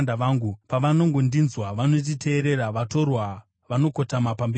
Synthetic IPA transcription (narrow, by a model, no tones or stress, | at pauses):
ndaʋaːŋɡupaʋano̞ŋɡo̞ndinzwaʋanot̬itʰe̞ːɾe̞ɾaʋato̞rwa | ʋano̞ko̞tamapambe